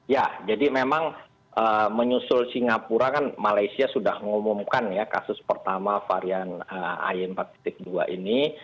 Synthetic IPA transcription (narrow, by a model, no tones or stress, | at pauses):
jad͡ʒadimemaŋ | ʔəːməɲusʊlsiŋapuɾakanmalajsiasudahəŋumʊmkanjaka̰sʊspərt̪amafa̰ɾianəa̰jɪmpat̪i̥t̪ɪk̚dua̰ʔini